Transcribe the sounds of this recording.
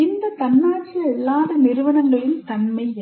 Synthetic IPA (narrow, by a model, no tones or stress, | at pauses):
ɪnd̪ɐt̪ɐnːaːʈt͡ʃːɪjɐɛlːaːðɐnɪɾɯʋɐɳɐŋɡɐjɯnt̪ɐnmɐɪɐ